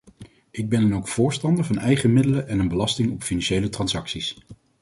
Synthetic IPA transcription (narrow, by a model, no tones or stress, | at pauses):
ʔɪɡ̚bɛnənowkfʊːɹstɑndəɹvɑnɛjχəmɪdələʔɛnənbəlɑstɪŋɔpfinɑnʃejlətrɑnsɑksis